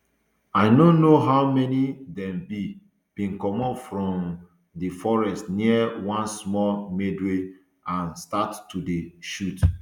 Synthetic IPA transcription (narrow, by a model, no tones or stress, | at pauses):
aɪnõnoɦaʊmɛnidɛ̃mbi | b̥ĩnkɔmɔpfɹɔ̃m | difɔɹɛstniəwɔ̃nsmɔmedwe | ãnstattːudeʃut